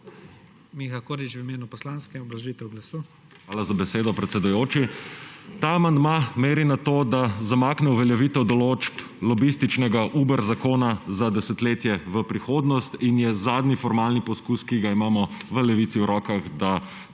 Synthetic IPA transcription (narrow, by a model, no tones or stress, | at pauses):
mixakoɾit͡ʃwimeːnupɔslaːnskɛmɔblaʒit̪ɛwɡlasu | xʋaːlazabɛseːd̪ɔpɾɛt̪sɛd̪ujoːt͡ʃi | t̪aːmand̪mameːɾinat̪oːd̪azamaːknɛuʋɛljɛʋiːt̪ɛwd̪ɔloːt͡ʃp | lɔbist̪it͡ʃnɛɡaʔuːbəɾzakoːnazad̪ɛsɛt̪leːt̪jɛʋəpɾixoːd̪nɔst̪injɛzaːd̪nifɔɾmaːlnipɔskuskiɡaimaːmɔʋəlɛʋit̪siwɾɔːkaɣd̪a